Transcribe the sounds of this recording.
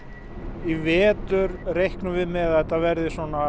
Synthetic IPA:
ivɛːt̪ʏɾrejhknʏvɪðmɛðaɛt̪ːavɛɾðɪsɔna

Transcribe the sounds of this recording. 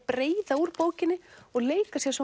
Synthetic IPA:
pɾeːjðauɾpoːwcɪnːɪɔɣleːjkasjɛsɔ

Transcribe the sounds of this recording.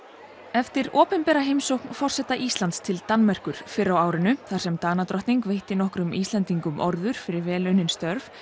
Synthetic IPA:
ɛft̪ɪɾɔːpɛnpɛɾaɦejmsowknfɔr̥sɛht̪aʔist̪ant̪st̪ʰɪlt̪anmɛr̥kʏɾ̥fɪɾːawaːwɾɪnʏθḁsɛmt̪aːnat̪ɾɔht̪niŋkveːjht̪ɪnɔhkɾʏmist̪lɛnt̪iŋkʏmʔɔɾðʏɾ̥fɪɾɪɾvɛːlʏnːɪnst̪œɾf

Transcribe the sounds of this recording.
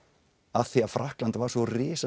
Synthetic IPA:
aθiafɾahklant̪vaɾ̥svɔrɪːsa

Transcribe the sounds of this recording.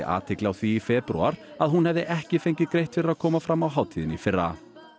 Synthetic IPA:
ɪ̰ʔa̰ːt̪ʰɪklɪawθiːfɛpɾṵa̰ɾ̥aðɦunhɛvðɪʔɛhcɪfejɲcɪɡɾejht̪fɪɾaðkʰɔːmafɾamːawɦaːwt̪ʰiðɪnifɪrːa̰

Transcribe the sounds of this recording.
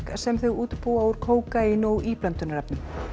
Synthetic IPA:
ksɛmθʏɣuːt̪puːauɾ̥kʰoːwkajɪnowʔiːplœnt̪ʏnaɾɛpnʏm

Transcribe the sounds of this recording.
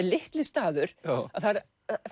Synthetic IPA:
ɾlɪht̪lɪst̪aːðʏɾ̥aθaɾ | θ

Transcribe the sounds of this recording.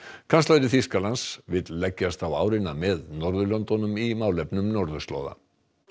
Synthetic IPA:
kʰanst̪ajɾɪθiskalansvɪt̪lɛcːast̪awa̰ːwɾɪnamɛðnɔɾðʏlɔnt̪ɔnʏmimaːwlɛpnʏmnɔɾðʏst̪lo̰ːwða̰

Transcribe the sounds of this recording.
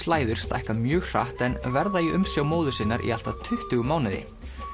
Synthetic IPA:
laːjðʏɾ̥st̪ɛ̰hkamjœːɣr̥a̰ht̪ɛnvɛɾðajiʔʏmsjawmoːwðʏsɪnːaɾʔḭal̥t̪at̪ʰʏht̪ʏɣʏmaːwnɪðɪ̰

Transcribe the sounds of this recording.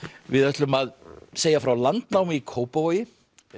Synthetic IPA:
vɪðœht̪lʏmaðseːjafɾawlant̪nawmɪikʰoːwpavoːjɪ

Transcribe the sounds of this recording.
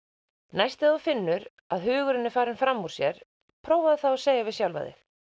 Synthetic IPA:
najst̪ɪafɪnːʏɾ | aðɦʏːɣʏɾɪnːɪfaːɾɪnfɾamːuɾ̥sjɛɾ̥ | pʰɾoːwvaðɪθawaðseːjavɪðsjawlva̰ðɪ̰

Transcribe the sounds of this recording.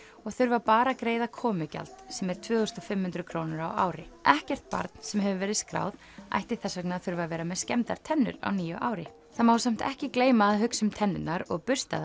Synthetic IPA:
ɔɣθʏɾvapaːɾakɾeːjðakʰɔːmʏca̰lt̪sɛmɛɾ̥t̪ʰvʏːɣʏst̪ɔfɪmhʏnt̪ɾʏkʰɾoːwnʏɾawa̰ːwɾɪʔɛhcɛr̥t̪̚pa̰ɾt̪̚n̥sɛmɦɛvʏvɛːɾɪðskɾa̰ːwð | a̰jht̪ɪ̥θɛsːœknɪaθʏɾvavɛːɾamɛðscɛmt̪aɾ̥t̪ʰɛnːʏ̰ɾa̰wniːjʏʔaːwɾɪ̰ | θamawsam̥t̪ɛ̰hcɪkleːjmaːðɦʏksʏmt̪ʰɛnːʏnːaɾɔɣpʏ̥st̪a̰ða

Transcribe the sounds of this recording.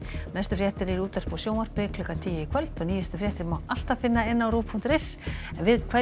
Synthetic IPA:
nɛst̪ʏfɾjɛht̪ɪɾɪɾuːt̪ar̥pɔsjoːwnaɾ̥pɪkʰlʏkant̪ʰiːjɪɪkʰvœlt̪ɔniːjɛst̪ʏfɾjɛht̪ɪɾmawʔal̥t̪afɪnːaɪnːawɾuːpʰunt̪ɾɪsɛnvɪðkʰva

